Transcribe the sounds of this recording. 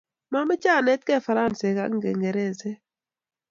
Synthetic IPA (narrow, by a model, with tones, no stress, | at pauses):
ma˦mɪ˦t͡ʃa˦˨nɛ˦t̚kɛ˦˨fa˨ɾa˦˨nse˨ka̰˦ŋ˦ɡḛ˨ŋɡe˨ɾe˦˨ze˦